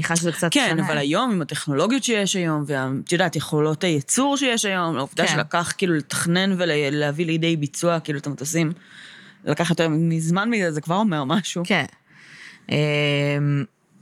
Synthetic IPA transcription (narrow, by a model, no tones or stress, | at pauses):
niχaʃzekt͡satkenavalajo̞mimateχno̞lo̞ɡijotʃejeʃajo̞mveat̪jodaːtjeχo̞lo̞tajet͡suʁʃejeʃajo̞mlauvd̪aʃelakaχkiːluletḁχne̞nvelleavilidejbit͡suakiːluat̪emt͡sosim | lakaχjo̞teʁmimizmanmizɛzekvaʁo̞me̞ʁmaʃuken | em